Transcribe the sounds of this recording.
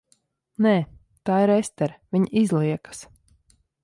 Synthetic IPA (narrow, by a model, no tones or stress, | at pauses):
nɛː | t̪aːiɾest̪ɛɾvʲiɲizlˠiɛkə̥s